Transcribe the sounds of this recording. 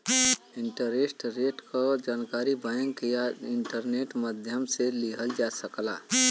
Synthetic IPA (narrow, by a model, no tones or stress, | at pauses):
ɪɳʈəɾesʈɾeːʈkad͡ʒaːnkaːɾibəjə̃ŋɡkijaɪɳʈəɾneːʈməd̪ʱjəmseliɦəld͡ʒaːsəklaː